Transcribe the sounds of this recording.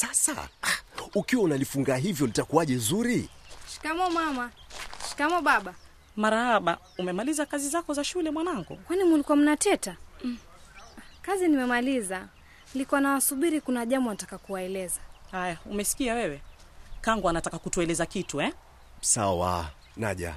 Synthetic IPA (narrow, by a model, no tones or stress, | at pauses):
sasa̰ | ukiwaunalifuŋɡaːɦivjɔlitakuaʄɛzuɾiʃi̥kamɔmamaʃi̥kamɔɓaɓa | maɾahaɓa̰ | umɛmalizakazizakɔzaʃulɛmwanaŋɡṵkwanimulikuwam̩natɛta | kazinimɛmaliza | likuwanawasuɓiɾikunaʄambɔanatakakuwaɛlɛzahajaumɛsi̥kiawɛwɛkaŋɡɔanatakakutuɛlɛzakituɛ | sawa̰ | na̰ʄa̰